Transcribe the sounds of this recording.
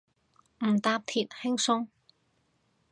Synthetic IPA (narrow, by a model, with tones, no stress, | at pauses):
m̩˨˩t̪aː˧p̚t̪ʰiː˨t̚hɪ˥ŋsʊ˧˥ŋ